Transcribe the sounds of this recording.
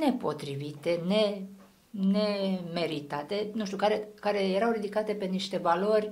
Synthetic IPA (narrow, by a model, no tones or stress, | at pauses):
ne̞po̞t̪ɾivit̪e̞ne̞ | neme̞ɾit̪at̪e̞nuʃt̪ukaɾekaɾe̞je̞ɾawrid̪ikat̪e̞pe̞niʃt̪e̞valo̞rʲ